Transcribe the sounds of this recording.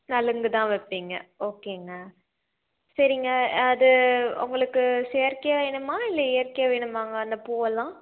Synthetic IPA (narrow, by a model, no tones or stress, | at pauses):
nɐlɯŋɡɯt̪ãːʋɐpːiːŋɡɐoːkeːŋɡɐ | sɐɾɪŋɡɐːðɯʊ̰ŋɡɐɭɯkːɯseːɾkɐjɐʋeːɳɯmaːɪlːɐeːɾkɐjɐʋeːɳɯmaːŋɡɐɐnd̪ɐpuːʋɐlãː